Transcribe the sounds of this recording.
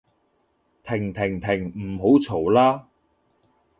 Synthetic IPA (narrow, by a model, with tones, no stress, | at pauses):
t̪ʰɪ˨˩ŋt̪ʰɪ˨˩ŋt̪ʰɪ˨˩ŋm̩˨˩ɦo˨˥wt͡sʰo˨˩wlaː˥